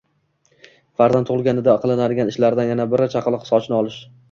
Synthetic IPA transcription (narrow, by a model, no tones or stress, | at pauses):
faɾzant̪ʰːʊʁɨlˠɡʲanɪd̪aqʰɨlˠɪnad̪ɪɡʲanɪʃlaɾd̪anjanabɪɾɪt͡ʃʰaqʰlˠɨqsɒt͡ʃnɪɒlˠɪʃ